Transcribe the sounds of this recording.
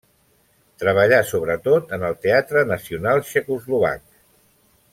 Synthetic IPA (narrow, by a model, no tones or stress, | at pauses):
t̪ɾəβ̞əʎasoβɾət̪ot̪ənəlˠt̪eat̪ɾənəsiunalˠʃekuzluβa̰k